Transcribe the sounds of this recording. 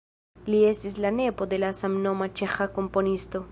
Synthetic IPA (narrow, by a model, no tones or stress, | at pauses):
lie̞st̪islane̞po̞d̪e̞lasamnomat͡ʃe̞xako̞mpo̞nist̪o̞